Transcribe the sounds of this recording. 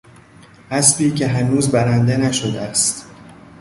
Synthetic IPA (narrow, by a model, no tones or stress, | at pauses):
ʔæsbiːcʰe̞ɦænuːzbæɾænd̪e̞næʃod̪eæst̪